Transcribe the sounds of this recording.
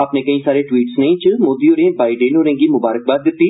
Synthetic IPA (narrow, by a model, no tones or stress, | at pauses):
aːpnẽːkəĩːsaːɾeːʈwiːʈsnəĩːt͡ʃəmoːd̪iːoːɾẽːbaːiɖeːnɦoːɾẽːɡiːmʊbaːɾək̚baːd̪d̪ɪt̪ːiː